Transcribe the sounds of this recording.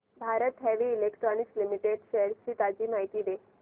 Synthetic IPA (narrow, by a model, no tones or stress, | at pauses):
bʱaɾət̪ɦɛʋiːlekʈɾɔnikslimiʈeɖɕeɾɕiːt̪ad͡ʑiːmaɦit̪iːʋe